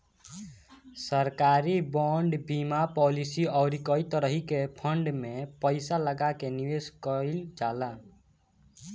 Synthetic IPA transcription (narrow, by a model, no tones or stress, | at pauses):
səɾkaɾibɔɳɖbimapɔlisiɔːɾikɔit̪əɾəɦikepʰəɳɖmẽpəɪsaləɡakeniʋeskəɪld͡ʒaːla